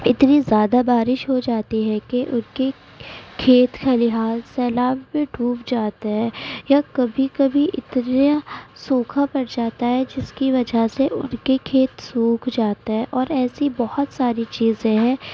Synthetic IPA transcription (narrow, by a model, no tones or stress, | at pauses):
ɪt̪nizjaːd̪abaːɾɪʃɦod͡ʒaːt̪iɦɛkeʔʊnke | kʰeːt̪kʰalɪɦaːzsɛːlaːbmẽɖʱuːpd͡ʒaːt̪aɦɛːjakɐbʱikɐbʱiʔɪt̪nasoːkʰapɐɽd͡ʒaːt̪aɦɛd͡ʒɪskiʋɐd͡ʒaseʔʊ̰nkekʰeːt̪suːkʰd͡ʒaːt̪aɦɛʔɔːɾɛːsibɔɦʊt̪saːɾit͡ʃiːzẽɦɛ̃ː